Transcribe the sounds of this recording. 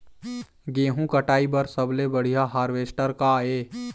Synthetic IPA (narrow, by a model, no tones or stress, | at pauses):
ɡẽːɦũkəʈaːibəɾsəblebəɽ̤ijaɦaːɾʋeːsʈəɾkaeː